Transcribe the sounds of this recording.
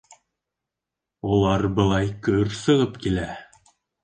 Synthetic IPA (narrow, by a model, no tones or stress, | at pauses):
ulˠɑɾbɤ̆lˠɑjkɵɾsɤ̆ʁɤpkilæ